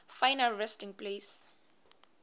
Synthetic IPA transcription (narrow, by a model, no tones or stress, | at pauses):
fajnalɹɛstĩŋpleːs